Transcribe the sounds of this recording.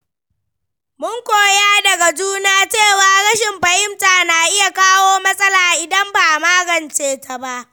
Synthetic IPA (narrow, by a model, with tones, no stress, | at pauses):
mʊ˦ŋkʷoː˨ja˦dɐ˨ɡa˨d͡ʒuː˦naː˦t͡ʃeː˦˨waː˨ɽɐ˦ʃɪ˨mɸɐ˨jɪ˦mtaː˨na˨ʔɪ˦ja˨kaː˦woː˦mɐ˦sʼɐ˦laː˨ʔɪ˨dɐ˦mba˨maː˦ɡɐ˨nt͡ʃeː˨ta˨ba˦ʔ